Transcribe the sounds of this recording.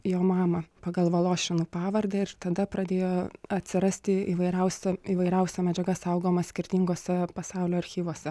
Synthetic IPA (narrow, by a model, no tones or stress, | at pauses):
joːmɑːmɐpɐɡɐlˠʋɐlˠoːʃʲɪnuːpɑːʋɐrd̪ɐɪɾt̪ɐd̪ɐpɾɐd̪ʲeːjoːɐt̪ʲsʲɪɾɐsʲt̪ʲɪiːʋɐɪɾʲɛʊsʲɛiːʋɐɪɾʲɛʊsʲɛmʲɛd͡ʒʲɛɡɐsɐʊɡoːmɐsʲkʲɪɾʲt̪ʲiŋɡoːsʲɛpɐsɑʊlʲoːɐɾʲxʲiːʋoːsʲɛ